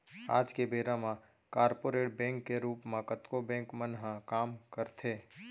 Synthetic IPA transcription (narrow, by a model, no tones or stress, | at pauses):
a̰ːd͡ʒkebeːɾãmã | kaːɾpoːɾeːʈ̚bɛ̃ːŋkːeɾuːpmãkət̪kobɛ̃ːŋkmənɦãkaːmkəɾt̪ʰeː